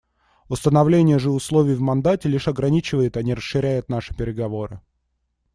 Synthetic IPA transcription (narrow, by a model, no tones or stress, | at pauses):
ʊst̪ənɐvlʲenʲɪjəʐɨʊslˠovʲɪjvmɐnd̪atʲɪlʲiʂɐɡɾɐnʲit͡ɕɪvəjɪt̪ɐnʲiɾəsːɨɾʲæjʊt̪̚naʂɨ̥pʲɪɾʲɪɡɐvo̞ɾɨ̰